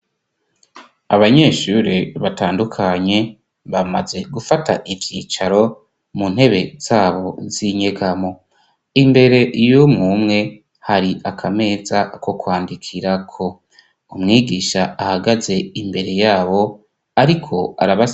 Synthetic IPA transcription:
aβaɲe̞ːʃuɾiβataːndukʰaɲe̞ | βama̰ze̞ɡufatʰa̰ʔivjiːt͡ʃaɾo̞ | munhe̞βe̞z̥aːβo̞ziɲe̞ɡamo̞ | imbe̞ɾe̞ʔijomŋumŋe̞ | haɾiʔakʰame̞ːzako̞kwaːndikʰiɾakʰo̞ | umŋiːɡiʃaahaɡaze̞imbe̞ɾe̞jaːβo̞ | aɾikʰo̞a̰ɾaβa

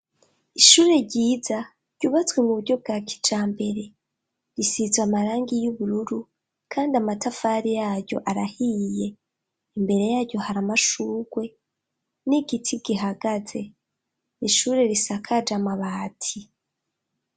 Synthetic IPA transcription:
iʃuːɾe̞ɾɟiːza | ɾɟ̥uβat͡swe̞muβuɾɟo̞b̚ɡaːki̥t͡ʃaːmbe̞ɾe̞ | ɾisizwamaɾaːŋɡijuβuɾuɾu | kʰaːndiamatafaːɾijaːɾɟo̞̰ʔaɾahije̞ | imbe̞ɾe̞jaːɾɟo̞haɾamaʃuːɡ̥we̞ | niɡitʰiɡ̥iɦaɡ̥aze̞ | iʃuːɾe̞ɾisakʰad͡ʒamaβaːtʰi

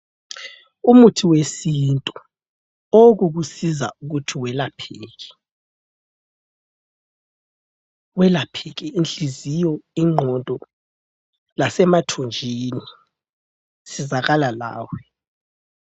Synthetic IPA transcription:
umutʰiwesintʼu | oɣuɣusiza̰ʔuɣutʰiwɛlapʰeːɣɛ̥ | wɛlapʰɛɣɛinɬizijɔiŋ͡ǃʱɔntʼɔ | lasɛmatʰond͡ʒʱini | sizaɣalala̰ːwɛ

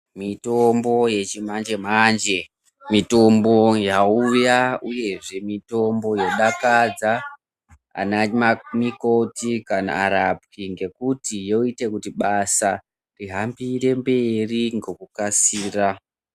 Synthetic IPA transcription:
mitombo̞je̞t͡ʃimand͡ʒe̞mand͡ʒe̞ | mito̞mbo̞jaujauje̞ʐe̞mito̞mbo̞joɗakad͡za | a̰namiko̞tikana̰aɾap̚wiŋɡe̞kutijo̞ite̞kutiɓasa | riɦambire̞mbe̞riŋɡo̞kukasiːra

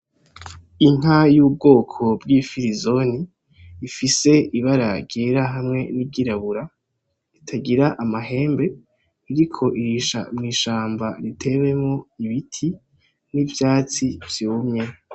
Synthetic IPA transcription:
iŋ̥ajuːb̚ɡo̞ːkʰo̞bɡifiɾizo̞niː | fise̞iβaɾaɾɟeːɾaɦamŋe̞niɡiɾaβuɾa | itʰaɟiɾaʔamaɦe̞ːmbe̞ː | ɾikʰo̞ʔiɾiʃa̰mŋiːʃaːmbaɾitʰe̞βe̞mŋoiβitʰi | nivjaːt͡sivjoːmɲe̞

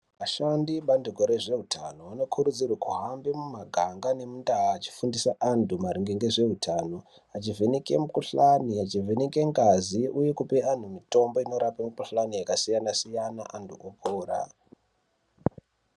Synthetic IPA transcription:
ʋaʃandiɓanduko̞ɾe̞ʐe̞ɦutʰano̞ino̞kʰurud͡zirwakuɦambimumaɡʱaŋɡane̞mundaɦaːt͡ʃi̥fundisaʔandʱumaɾiŋɡeŋɡe̞ʐe̞ɦutʰaːno̞ | at͡ʃivʱinike̞̰mukuɬaniat͡ʃivinike̞ŋɡaziuje̞kupean̤umito̞mbo̞ino̞ɾapamukuɬanijakasijanasijanaʔantʰuʔopʰoːɾa̰

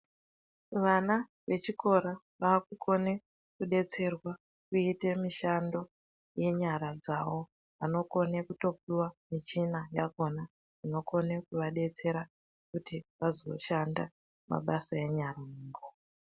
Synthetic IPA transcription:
ʋana | ʋe̞t͡ʃiko̞ɾa | ʋaːkukʰo̞ne̞ | kuɗe̞t͡se̞rwa | kuite̞miʃando̞ | je̞ɲaɾad͡zawo̞ | ʋano̞ko̞nekuto̞piwamit͡ʃinajaɡo̞na | ino̞ko̞nekuʋaɗe̞t͡se̞ɾa | kutiʋazo̞̰ʃanda | ma̰ɓasae̞ɲaraniːŋɡo

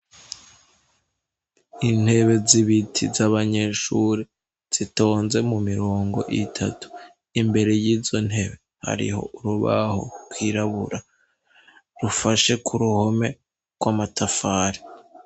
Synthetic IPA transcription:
in̥he̞βe̞ziβitʰizaβaɲe̞ʃuːɾi | z̥ito̞ːnze̞mumiɾo̞ːŋɡo̞̰ʔitʰa̰tu̥ | imbe̞ɾe̞jiːzo̞n̥he̞βe̞ | ha̰ɾḭɦo̞̰ʔuɾuβa̰ho̞̰kwiɾaβuɾa | ɾufaʃe̞kʰuɾuho̞me̞ | ɡ̥wamatʰafaːɾi

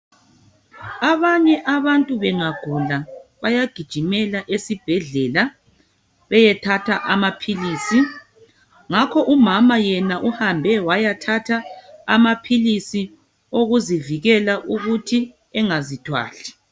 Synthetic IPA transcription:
aβaɲɛʔaβantʼuβɛŋaɡ̥ʱulaβajaɡ̥ʱid̥ʒ̥ʱimɛlaʔesib̥ʱɛɮɛla | βɛjɛtʰatʰaʔamapʰiliːsi | ŋakʰɔʔumamajɛnaʔuhambʱɛwajatʰatʰaamapʰilisi | oɣuziviɣɛlaʔuɣutʰi | ɛŋazitʰwa̰ːɬi̥

